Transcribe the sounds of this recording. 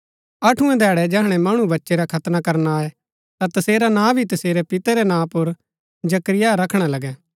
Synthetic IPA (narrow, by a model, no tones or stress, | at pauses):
ɐʈʰũɛ̃d̪ʱɛːɽɛd͡ʒɛːɦɽ̃ɛmɐɽ̃ubɐtːʃeɾakʰɐt̪nakɐɾnaːɛ | t̪at̪ɐseːɾanãːbʱit̪ɐseːɾɛpɪt̪ɛɾɛnãːpʊɾ | d͡ʒɐkɾɪjaɾɐkʰɽ̃alɐɡɛː